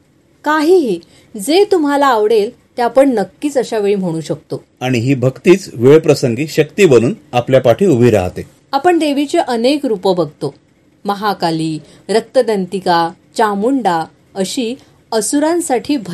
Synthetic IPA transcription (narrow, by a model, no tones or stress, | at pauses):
kaɦiːɦiː | d͡zet̪um̤alaːʋɽel | t̪eapəɳnəkːiːt͡səɕaʋeɭiːm̤əɽ̃uːɕək̚t̪o | aɽ̃iɦiːbʱəkt̪iːt͡sʋeɭpɾəsəŋɡiːɕəkt̪iːbəñuːnapljapaʈʰiːubʱiːɾa̰ɦt̪e | apəɳd̪eʋit͡ɕeʔənekɾupəbʱəɡʱt̪o | məɦakaliː | ɾək̚t̪əd̪ənt̪ika | t͡ɕamuɳɖa | əɕiː | əsuɾãnsaʈʰiːbʱ